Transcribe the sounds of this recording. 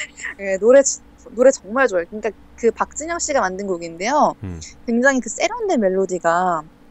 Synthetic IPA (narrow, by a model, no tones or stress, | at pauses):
jenoɾet͡ɕ | noɾe̞t͡ɕʌŋmaɭt͡ɕoaɭkɯɲik͈a | kɯpak̚t͡ɕ͈ɯɲʌŋɕ͈iɡamandɯnɡoɡinde̞jokwe̞ŋd͡ʑaŋikɯs͈e̞ɾondemeɭːodiɡa